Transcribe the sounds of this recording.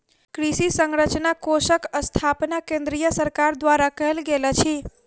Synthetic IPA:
kɾisisəŋɾət͡ʃnakoʃəkəst̪ʰapnakẽnd̪ɾijəsəɾkaɾd̪ʋaɾakəɦelɡelət͡ʃʰi

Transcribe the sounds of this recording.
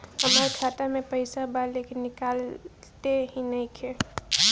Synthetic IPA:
həmaɾkʰaːt̪amẽpəɪsabaleːkɪnːɪkaːl | t̪eɦinɐɦĩkʰe

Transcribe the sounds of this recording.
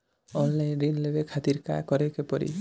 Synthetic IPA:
ɔnlajnɾinlebekʰat̪iɾka̰kɔɾekepɔɾḭ

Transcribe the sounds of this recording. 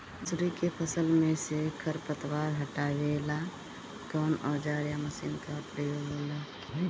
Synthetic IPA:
d͡ʒɾikepʰəsəlmẽsekʰəɾpət̪waɾɦəʈaʋela | kɔːnɔd͡ʒaɾjaməsinkapɾəjoɡola

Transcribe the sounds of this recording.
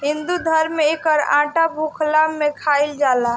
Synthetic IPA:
ɦind̪ud̪ʱəɾmeekəɾã̰ʈabʱukʰlamekʰaild͡ʒala

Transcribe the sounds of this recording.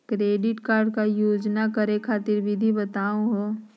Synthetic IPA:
kɾeːɖɪʈkaːɾɖ̚kajoːd͡ʒnakəɾekʰaːt̪ɪɾbʱɪd̪ʱibət̪aːũɦoː

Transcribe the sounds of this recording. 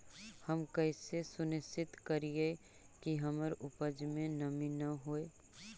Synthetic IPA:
həmkəɪsesʊnɪsɪt̪kəɾie | kiɦəməɾʊpəd͡ʒmẽnəminɐɦoe

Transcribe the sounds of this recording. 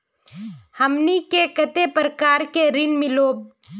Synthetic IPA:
həmnikekət̪epɾəkaːɾkeɾɪnmɪloːb̚

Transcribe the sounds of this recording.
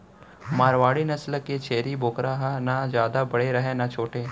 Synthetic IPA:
maːɾʋaːɽinɐsləkːet͡ʃʰeːɾiboːkɾaːɦanad͡ʒjaːd̪abɐɽeɾɐɦenat͡ʃʰoːʈeː

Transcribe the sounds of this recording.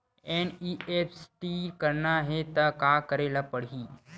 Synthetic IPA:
eniepʰsʈikəɾnaɦet̪akaːkəɾeːlapəɽɦiː

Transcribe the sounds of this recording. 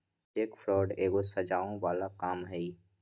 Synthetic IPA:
eːkfɾɔːɖeːɡosɐd͡ʒaːõʋaːlakaːmɦɛi

